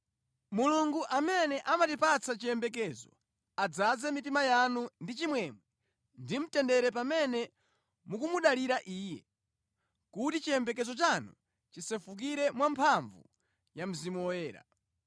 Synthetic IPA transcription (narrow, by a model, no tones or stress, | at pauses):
muluŋɡuʔamɛnɛʔamatipat͡sat͡ʃiɛmbɛk̬ɛzɔ | ad͡zazɛmitimajanundit͡ʃimwɛmwɛ | ndim̩tɛndɛɾɛpamɛnɛ | mukumuɗaliɾaʔiːjɛ | kutit͡ʃiɛmbɛk̬ɛzɔt͡ʃanṵ | t͡ʃisɛfuk̬iɾɛmwampʰaɱvṵ | jam̩zimuɔjɛːɾa̰